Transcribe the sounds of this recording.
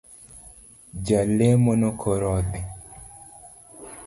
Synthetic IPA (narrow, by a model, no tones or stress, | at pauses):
d͡ʒalemonokʰoɾɔd̪ɛ